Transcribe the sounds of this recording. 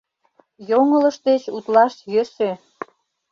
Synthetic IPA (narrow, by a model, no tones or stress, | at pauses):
joŋələʃt̪et͡ɕut̪lɑʃjøʃe